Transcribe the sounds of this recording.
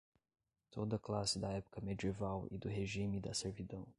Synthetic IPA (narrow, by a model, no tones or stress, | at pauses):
t̪ʰod̪ɐklasɪd̪ɐɛpʊ̥kɐmed̪ievawid̪ʊɦeʒimid̪ɐseɾvid̪ɐ̃w̃